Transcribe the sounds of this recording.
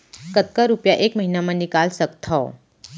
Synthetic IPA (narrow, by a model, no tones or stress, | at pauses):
kət̪kaɾupjaʔeːkməɦinamãnɪkaːlsəkt̪ʰa